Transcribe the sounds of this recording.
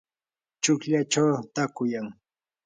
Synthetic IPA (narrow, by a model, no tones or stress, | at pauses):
t͡ʃʊkʎat͡ʃawt̪akʊjaŋ